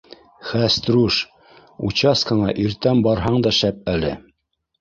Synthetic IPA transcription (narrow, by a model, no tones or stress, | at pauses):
χæst̪ɾuʃ | ṵt͡ɕɑskɤɴɑʔiɾt̪æmbɑɾɦɑɴd̪ɑʃæp̚ælɘ̰